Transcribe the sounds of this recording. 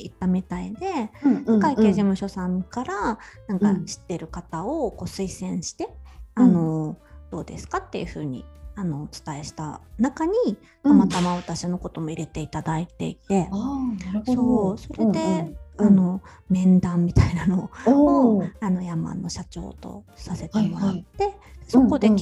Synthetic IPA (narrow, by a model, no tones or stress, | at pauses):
it̪ːamʲit̪aid̪e̞sekaike̞ːʑimɯ̟ɕo̞sãŋkaɾanãŋkaɕi̥t̪ːe̞ɾɯ̟kat̪ao̞ko̞ːsɨisẽ̞ɰ̃ɕi̥t̪e̞ano̞d̪̥o̞ːd̪e̞̰sɨ̥kat̪ːe̞̰jɯ̟ɸɯ̟̰ːɲ̟ḭano̞t͡sɨ̥t̪ae̞ɕi̥t̪a̰nakaɲ̟i | kamat̪amaβat̪aɕino̞ko̞t̪o̞mo̞iɾe̞t̪e̞it̪ad̪ait̪e̞̰it̪e̞ | sso̞ːso̞ɾe̞d̪e̞ano̞ | mẽ̞nd̪ãmːʲit̪ainano̞oano̞jama̰nːo̞ɕat͡ɕo̞̰ːt̪o̞̰ | sase̞t̪e̞mo̞ɾat̪ːe̞so̞ko̞d̪e̞